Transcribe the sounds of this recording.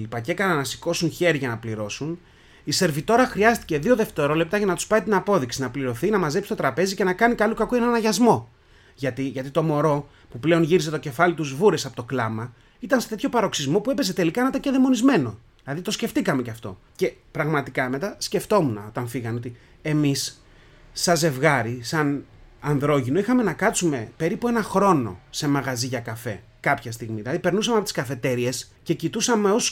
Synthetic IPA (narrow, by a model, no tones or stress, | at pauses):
lipɐcekɐnɐnɐsi̥ko̞sunçe̞ɾiʝɐnɐpliɾo̞sun | ise̞ɾvit̪o̞ɾɐxɾiɐst̪i̥ce̞ðio̞ðe̞ft̪e̞ɾo̞le̞p̚t̪ɐʝɐnɐt̪uspɐit̪inɐpo̞ðiksinɐpliɾo̞θinɐmɐze̞psi̥t̪o̞t̪ɾɐpe̞zice̞nɐkɐnikɐlukɐkoe̞nɐnɐʝɐzmo̞ | ʝɐt̪iʝɐt̪it̪o̞mo̞ɾo̞ | puple̞o̞nʝiɾize̞t̪oce̞fɐlit̪uzvuɾe̞sɐpo̞t̪o̞klɐmɐ | it̪ɐnset̪e̞t̪ço̞pɐɾo̞ksizmo̞pue̞pe̞ze̞t̪e̞likɐnɐt̪ɐceðemo̞nizme̞no̞ | ðilɐðit̪o̞sce̞ft̪ikɐme̞cɐft̪o̞̰ | ce̞pɾɐɣmɐt̪ikɐme̞t̪ɐsce̞ft̪o̞munɐo̞t̪ɐnfiɣɐno̞t̪i | e̞misː | ɐze̞vɣɐɾisɐnɐnðɾo̞ʝinoixɐme̞nɐkɐt͡sume̞pe̞ɾipue̞nɐxɾo̞no̞̰se̞mɐɣɐziʝɐkɐfe̞̰ | kɐpçɐst̪iɣmiðilɐðipe̞ɾnus̬ɐmeɐpot̪iskɐfe̞t̪e̞ɾie̞s | ce̞cit̪usɐme̞o̞s